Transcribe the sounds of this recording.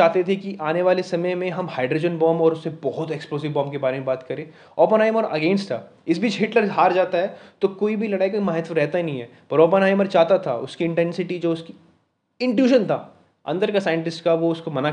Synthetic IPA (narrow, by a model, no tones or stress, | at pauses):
aːɦt̪et̪ʰekiʔaːneʋaːlesɐməjmẽɦɐmhaːɖɾoːd͡ʒənbɔ̃ːmɔːɾʊsːebɔɦʊt̪eksploːzɪʋbɔ̃ːmbkebaːɾemẽbaːt̪kɐɾẽː | ɔːpənaːɪməɾɐɡẽːnsʈʰaː | ɪsbʱiːt͡ʃɦɪʈləɾɦaːɾd͡ʒaːt̪aɦɛt̪okoːibʱilɐɽaːikamɐɦɪt̪ʋəɾɛɦt̪aɦinɐɦĩɦɛː | pɐɾoːp̬ənaːɪməɾt͡ʃaːt̪at̪ʰa̰ʊskiɪ̃ɳʈɛ̃ːnsɪʈid͡ʒoːʊski | ɪ̃ɳʈjuːʃənt̪ʰaː | ɐ̰̃nd̪əɾkasaːɪɪ̃ɳʈɪsʈkaʋoʊskomɐna